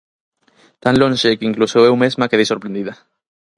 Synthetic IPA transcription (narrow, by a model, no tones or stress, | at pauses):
t̪ãnlõnʲʃekiŋklusoewmezmakeejsoɾpɾend̪iða